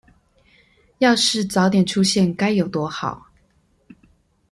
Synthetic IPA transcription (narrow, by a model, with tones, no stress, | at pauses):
jɑ˥˧ʊʂɻ̩˥˩t͡sɑ˨˧˥ʊt̪jɛ˨˩nʈ͡ʂʰu˥ɕjɛ˥˩nka˥ɪjo˨˩ʊt̪wɔ˥xɑ˨˩˦ʊ